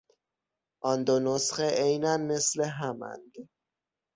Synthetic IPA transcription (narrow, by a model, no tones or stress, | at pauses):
ʔɒnd̪onosχeʔejnænme̞sleɦæmæ̰nd̪̥